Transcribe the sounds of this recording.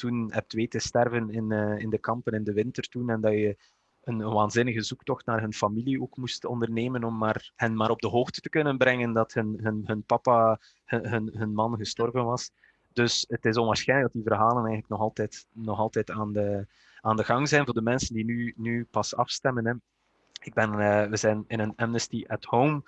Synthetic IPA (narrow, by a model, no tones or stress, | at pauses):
tunɦɛp̚tʋeːtəstɛrvənɪnːɪndəkɑmpənɪndəʋɪntərtunɛndɑjə | ənʋaːnzɪnəɣəzuktɔxtnaːrɦɵnfɑmilioːkmustɔ̰ndərneːmənɔmːaːrhənmaːɾɔb̚dəɦoːxtə̥təkɵnənbɾɛŋəndɑthənɦɵnɦɵnpɑpaː | həɦənɦənmɑnɣəstɔrvənʋɑs | d̥ɵsətɪs̬ɔnʋaːrsxɛjnləɡdɑtdivərɦaːlənɛjɣənləknɔxɑlˠtɛtnɔxɑlˠtɛtaːndə | aːndəɣɑŋzɛnvoːrdəmɛnsəndinynypɑsɑ̰fstɛmənɛ | ɪɡ̚bɛnəʋəzɛjnɪnənɛmnəstiʔɛthowm